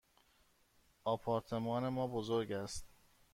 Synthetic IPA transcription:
ɒːpʰɒːɾt̪ʰe̞mɒːne̞mɒːbozoɾɟæst̪

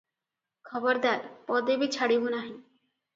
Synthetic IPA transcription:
kʰɔbəɾd̪aɾpɔd̪ebit͡ʃʰaɽibunaɦĩ

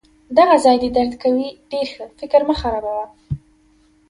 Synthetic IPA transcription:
d̪aɣazɑjd̪ed̪aɾd̪kawiɖeɾxəfɪkɾməxaɾabawa

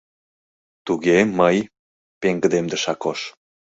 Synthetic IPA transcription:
t̪uɣeməj | peŋɡə̆d̪emd̪ə̆ʃɑkoʃ

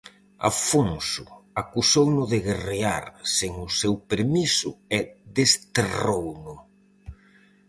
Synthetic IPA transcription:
a̰foŋsʊ̰akusownʊðeɣereaɾseŋʊsewpeɾmisʊeðest̪erownʊ

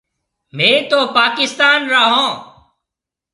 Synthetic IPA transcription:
mẽːt̪oːpaːkɪst̪aːnɾaːɦõː

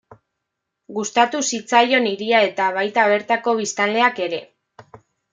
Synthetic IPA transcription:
ɡust̪at̪usit͡sajo̞niɾiae̞t̪aβ̞ajt̪aβ̞e̞ɾt̪ako̞β̞ist̪anlle̞ake̞ɾe̞

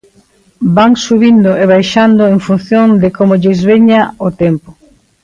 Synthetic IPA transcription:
baŋsuβind̪ʊeβ̞ajʃand̪ʊeŋfun̟θjõnd̪ɪkomoʎɪzβeɲaot̪empo̥

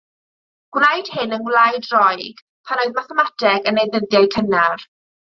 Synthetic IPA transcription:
ɡ̥wrajd̥hɪnənɡlˠajdrɔjɡ̥ | pʰanoɨðmaθɛmatʰɛɡənejðəðjaɨkʰənar

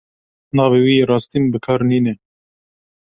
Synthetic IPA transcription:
nɑːveːwiːeɾɑːst̪iːnbɨkʰɑːɾniːnɛ

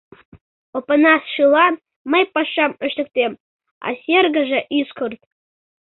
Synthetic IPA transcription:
opənɑsʂɨlˠɑ | məjpɑʂːɑməʃt̪ə̆k̚t̪em | ɑ̰sʲerɡəʒeʔiskʰort̪̚

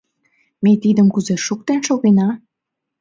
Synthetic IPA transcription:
met̪id̪əmkuzeʃuk̚t̪enʃoɣenɑ

